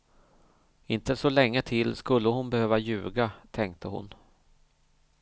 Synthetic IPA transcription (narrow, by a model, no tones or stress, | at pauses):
ɪnt̪əsɔlɛŋːət̪ʰɪlːskɵlːəhʊnbɛhøːvajʉ̟̰ːɡat̪ʰɛŋk̚t̪ʰəhʊ̰n